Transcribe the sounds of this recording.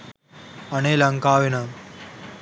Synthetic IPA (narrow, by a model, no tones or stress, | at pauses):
ɐneːlɐŋkaːʋina